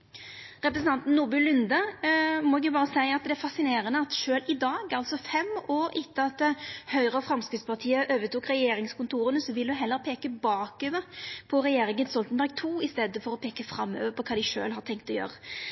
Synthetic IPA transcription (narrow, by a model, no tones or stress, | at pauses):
ʁɛpɾəsn̩ɑnt̪n̩nːʊbʉlʉnd̪əmɔʊbɑːʁəsæɪɑt̪̚d̪ɛæɾfɑsɪneːʁənəɑt̪ʃøːlɪd̪ɑːɡɑlt̪sɔfɛmoːɾɪt̪ːəɑt̪ːhœʏʁəɔfɾʁɑmskɾɪt̪spʰɑʁt̪ʰiːəʔøːʋət̪uːkʁɛjeːɾɪŋskʊnt̪ʰuːʁənəsɔʋɪlʉɦɛlːəɾpʰeːkəbɑːkøːʋəʁpʰɔʁɛjeːɾɪŋənst̪ɔlt̪nbæɾɡ̚t̪ʰuːɪst̪eːd̪əfɔɾɔpʰeːkəfɾɑmːø̰ːʋəpʰɔkʰɑːd̪ɪʃø̰ːlɦɑʁt̪ɛŋk̚t̪ɔjø̰ːʁə